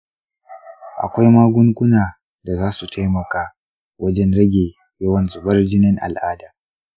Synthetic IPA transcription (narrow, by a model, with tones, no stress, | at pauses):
ʔa̰˨kʷa˦jmaː˦ɡʷʊ˦ŋkʷʊ˦naː˨ | da˨zaː˦su˨tʰa˦jmɐ˨kaː˦ | wʔɐ˦d͡ʒɛ˦nɽɐ˦ɡʲeː˨ | jɐ˦wɐ˦nzʊ˨bɐ˦rd͡ʒɪ˦nɪ˦ŋʔa̰˨lʔaː˦daː˨